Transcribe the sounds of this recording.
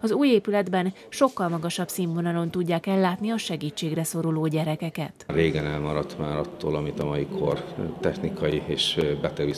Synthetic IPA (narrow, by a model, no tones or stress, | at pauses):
ɒzuːjeːpylɛd̪bɛn | ʃo̞kːɒlmɒɡɒʃɒbsiːmvo̞nɒlo̞nt̪uɟːaːkɛlːaːt̪niɒʃɛɡiːt͡ʃːeːɡrɛso̞ɾoloːɟɛɾɛkɛkɛt̪reːɡɛnɛlmɒɾɒt̪maːɾɒt̪ːo̰ːlɒmit̪ɒmɒjikʰo̰rt̪ɛxnikʰɒjieːʃbɛt̪ɛɡi